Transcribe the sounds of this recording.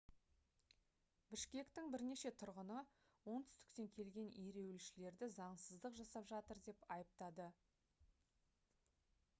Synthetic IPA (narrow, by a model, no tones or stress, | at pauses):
bɪʃkʲe̞kt̪ɪŋbɪɾne̞ʃe̞t̪ʰʊɾʁənə | wo̞nt̪ʰʏst̪ɪ̥kt̪e̞ŋkʲʰe̞lɡʲe̞neɾe̞wɪlʃɪle̞ɾd̪ɪzɑɴsəzd̪əqʒɑsɑpʒɑt̪əɾd̪e̞pɑjəp̚t̪ɑd̪ə